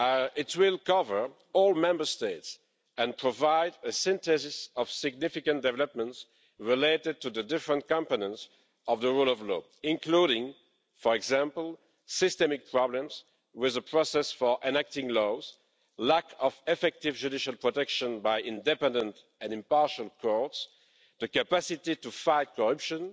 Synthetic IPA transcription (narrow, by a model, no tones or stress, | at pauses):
ɪtʰwɪlˠkʌvə˞ | ɔlˠmɛ̃mbə˞steɪts | ɛ̃npʰɹ̥ɔvaɪdəsɪ̃nt̪ɛzɪsɔv̥sɪɡ̚nɪfɪkə̃ndɛvɛləp̚mə̃nts | ɹileɪɾɪd̚tuðədɪfɹə̃ntkɑ̃mpənə̃nts | ɔvðəɹulɔvlɔː | ɪ̃nkluɾɪ̃ŋ | fɔɹɛɡzæ̃mpl̩ˠ | sɪstɛmɪk̚pʰɹ̥ɑblə̃mz | wɪðəpʰɹɔsɛsfɔ˞ʔɪ̃nɛk̚tɪ̃ŋlɔz̥ | lækʰɔvɛfɛk̚tɪvd͡ʒudɪʃalˠpʰɹɔtɛkʃə̃nbajʔɪ̃ndɛpɛ̃ndə̃nt | ɛ̃nɪ̃mpɑɹʃəlˠkʰɔɹts | ðəkapasɪtitufaɪt̚kɔɹapʃə̃n